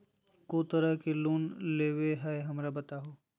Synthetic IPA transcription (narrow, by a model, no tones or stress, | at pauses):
koːt̪əɾəkeluːnleːʋeɦɛeɦɐmɾabɐt̪aɦoː